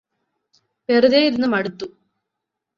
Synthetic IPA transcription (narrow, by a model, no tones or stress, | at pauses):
peruðeinːumɐɽut̪ːu